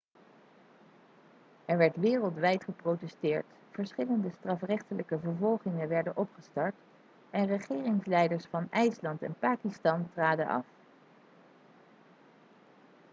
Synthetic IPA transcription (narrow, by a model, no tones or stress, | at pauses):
ɛɹʋɛɹtʋɪːrəlˠtʋɛjtχəprowtɛstɪːɹt | fəɹsχɪləndəstrɑfrɛχtələkəvəɹvɔlˠχɪŋəʋɛɹdənʔɔpχəstɑɹt | ɛnrəχɪːrɪŋslɛjdəɹsfɑnɛjslɑntɛ̰npaːkistɑntraːdənʔɑ̰f